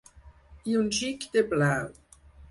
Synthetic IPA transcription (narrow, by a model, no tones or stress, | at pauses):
iunʃikd̪eblaw